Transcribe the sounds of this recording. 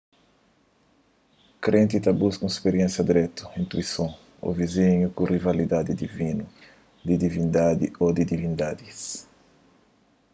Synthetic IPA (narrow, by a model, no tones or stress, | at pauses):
kɾẽnt̪it̪abuskũɛspeɾjẽnsjɐd̪iɾɛt̪u̥ĩnt̪uisõ | o̰viziɲukũrivalid̪ad̪id̪ivinu | d̪id̪ivĩnd̪ad̪ḭod̪id̪ivĩnd̪ad̪is